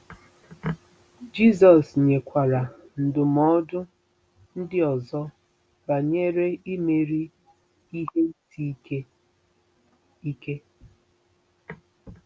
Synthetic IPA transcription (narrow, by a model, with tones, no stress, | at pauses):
d͡ʒi˦zɔ˨sɲe˨kʷa˨ɾa˨n̩˨dʊ˨mɔ˦dʊ˦ | n̩˦dɪ˦ɔ˨zɔ˦ | ba˨ɲe˦ɾe˦i˦me˨ɾi˦ | i˦ɦe˦n̩˦ti˦ke˦ | i˦ke˦